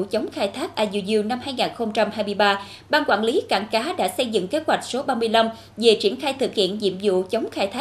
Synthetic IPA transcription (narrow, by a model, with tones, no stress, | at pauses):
t͡ɕə˨˦wŋ͡mxaː˧jt̪ʰaː˦˥k̚ʔaː˧zi˧˩zi˧wna˧mhaː˧jŋaː˨˩nxə˧wŋ͡mt͡ɕa˧mhaː˧jmɨ˧jɓaː˧ | ɓaː˧nkwa̰ː˧˩nli˨˦ka̰ː˧˩nkaː˨˦ɗa̰ː˧˥sə˧jzɨ̰˧˨ŋke˨˦˥t̚hwa˨˩jk̚so˨˦ɓaː˧mɨ˧əjla˧m | ve˨˩t͡ɕi˧˩ənxaː˧jt̪ʰɨ˨˩k̚hḭ˧˨ənzḭ˧˨əmzṵ˧˨t͡ɕə˨˦wŋ͡mxaː˧jt̪ʰaː˦˥